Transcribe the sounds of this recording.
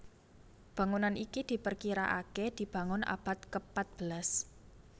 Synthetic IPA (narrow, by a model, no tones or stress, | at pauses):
b̥ä̤ŋunanʔikid̪̥i̤pərkiɾaʔa̰ked̪̥i̤b̥ä̤ŋʊnʔa̰b̥a̤t̪̚kəpat̪̚b̥əlas